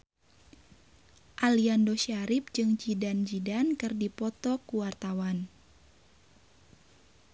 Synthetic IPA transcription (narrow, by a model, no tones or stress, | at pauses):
ʔaliandɔʃaɾip̚d͡ʒɨŋd͡ʒidand͡ʒidankɨrdipɔt̪ɔkuwart̪awan